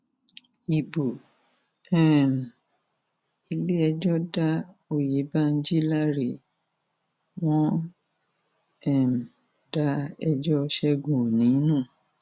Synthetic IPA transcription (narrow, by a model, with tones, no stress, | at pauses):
i˨bo˨ | ɛ˨m̩˨ | i˧le˦ɛ˧d͡ʒɔ˦da˦o˨je˨˦ba˦˧n̩˦d͡ʒi˦la˦˨ɾe˨ | w̃ɔ̃˦ | ɛ˦˨m̩˨ | da˦ɛ˧d͡ʒɔ˦˧ʃɛ˧ɡũ˨o˨nĩ˨˦nũː˦˨